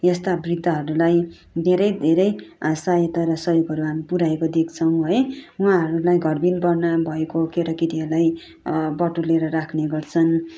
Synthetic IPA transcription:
jʌst̪abrid̪ʱːʌɦʌɾulaj | d̪ʱeɾʌjd̪ʱeɾʌjasajet̪aɾʌsʌɦjoɡɦʌɾuɦamipuɾaekod̪ek̚ʰt͡sʰʌw̃ɦʌjuãɦʌɾulajɡʱʌrbilbʌrnabʱʌekokeɾʌkit̪iʌlaj | bʌʈuleɾʌɾakʰneɡʌrt͡sʰʌn

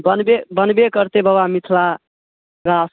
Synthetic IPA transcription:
bənbebənbekəɾt̪ebəbamit̪ʰla | ɾas

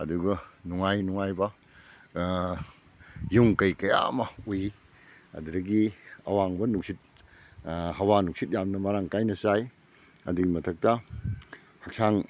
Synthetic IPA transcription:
ɐduɡɐnuŋajnuŋajbɐ | juŋkɐjkɐja̰mɐuji | ɐ̰duɾɐɡiɐ̰waŋbɐnuk̚sit̚ | ɦɐwanuk̚sit̚jamnɐmaɾaŋkajnɐsaj | ɐ̰duɡimɐtʰɐk̚tɐ | hɐk̚sʰaŋ

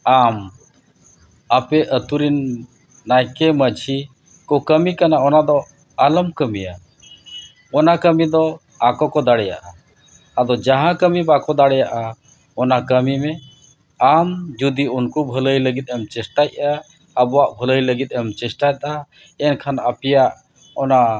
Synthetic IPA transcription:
am | apɛʔət̪uɾinː | ajkɛməd͡ʒʱi | kɔkəmikanaɔnad̪ɔ | aləmkəmija | ɔnakəmid̪ɔ | akɔkɔd̪aɽɛja̰ʔaː | d̪ɔd͡ʒaɦãkəmibakɔd̪aɽɛjaʔa | ɔnakəmimɛ | amd͡ʒud̪iunkubʱələjləɡit̪̚ɛmt͡ʃɛsʈajaː | bɔwaʔbʱələjləɡit̪̚ˀɛmt͡ʃɛsʈajt̪̚a | ɛnkʰanapijaʔ | ɔna

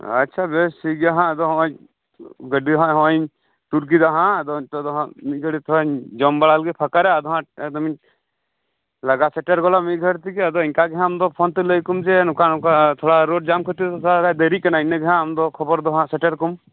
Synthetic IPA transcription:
ɐ̰tːt͡ʃʰabesiɡaɦãəd̪ɔɦɔ̃ɲ | ɡəɖiɦɔ̃ɦɔ̃ɲ | t̪uɾk̬id̪aɦãd̪ɔt̪ɔd̪ɔɦãmiɡəɖit̪ʰɔɲd͡ʒɔmbaɭalɡɛpʰakaɾɛəd̪ɔɦãɛd̪ɔmiɲ | ləɡasɛʈəɾɡɔlamiɡʱəɽt̪ikɛəd̪ɔinkaɡɛɦãmd̪ɔpʰɔnt̪ɛləjkumd͡ʒɛnukanukat̪ʰɔɽaɾoʈ̚d͡ʒamkʰət̪iɔsaɾad̪əɾikanainːɛɡɛɦãmd̪ɔkʰɔbɔɾd̪ɔɦãsɛʈəɾkɔm

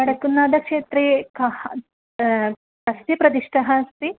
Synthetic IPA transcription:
ɐɽɐkunːaːd̪ɐkʂeːt̪ɾeːkɐh | kɐsʋjɐpɾɐd̪iʂʈɐɦaːst̪i

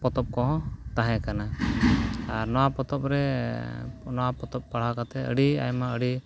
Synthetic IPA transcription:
pɔt̪ɔp̚kɔɦɔ̃t̪aɦɛ̃kana | aɾnɔwapɔt̪ɔp̚ɾɛ | nɔwapɔt̪ɔp̚paɽ̤akat̪ɛə̰ɽia̰jmaəɽi

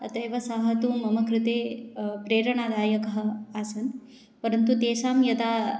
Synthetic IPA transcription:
ɐt̪ɐjʋɐsaːɦɐt̪umɐmɐkɾɪt̪eːpɾeːɾɐɳaːd̪aːjɐkɐɦɐ̆aːsɐn | pɐɾɐnt̪ut̪eːʃaːmjɐt̪aː

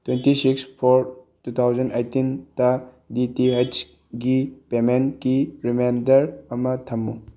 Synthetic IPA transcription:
twentisikspʰoɾ | tut̪ʰawd͡ʒɐnejtintɐ | ditiɦejs | ɡipemenkiɾimejndɐɾɐmɐtʰɐmːu

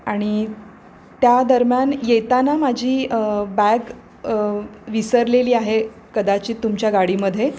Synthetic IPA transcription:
aɽ̃i | t̪jad̪əɾmjanjet̪anamad͡ʑʱiːbæɡ | ʋisəɾleliːaɦe | kəd̪at͡ɕiːt̪ːumt͡ɕjaɡaɽiːməd̪ʱːje

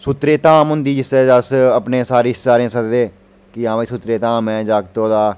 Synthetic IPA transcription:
sʊt̪ɾeːt̪aːmɦʊ̃nd̪iːd͡ʒɪsɛːd͡ʒəsəpneːsaːɾiːsaːɾẽːsəkd̪eː | kɪãːʋiːsʊt̪ɾeːt̪aːmɛ̃ːd͡ʒaːkt̪õːd̪aː

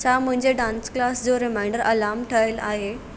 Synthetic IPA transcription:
t͡sam̤əɳd͡zeɖãnsklasd͡zoɾimajɳɖəɾəlamʈʰəɭelaɦe

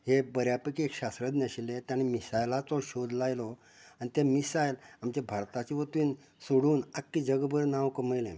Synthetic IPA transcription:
hebəɾjapəkiekɕasɾəd̪nəɕilet̪jañimisajlat͡sɔɕod̪lajlɔ | añit̪emisajlamt͡ɕebʱaɾt̪at͡ɕiʋət̪iːn | suɽuːnakːid͡ʑəɡbəɾnãwkəməjlḛ̃

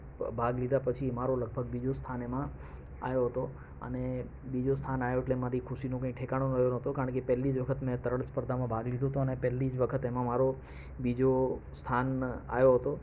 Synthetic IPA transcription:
bʱaɡlid̪ʱapət͡ʃʰimaɾoləɡ̚bʱəɡbid͡ʒost̪ʰanemã | a̰joɦət̪o | ə̰ne | bid͡ʒost̪ʰanajoeʈlemaɾikʰʊʃinõkə̃ĩʈʰekaɽ̃õnəjonəɦət̪okaɾə̃ɳkepɛɦlːid͡ʒʋəkʰət̪mɛ̃t̪əɾəɽspəɾd̪ʱamãbʱaɡlid̪ʱõɦt̪ũənepɛlːid͡ʒʋəkʰət̪emãmaɾo | bid͡ʒost̪ʰana̰joɦət̪o

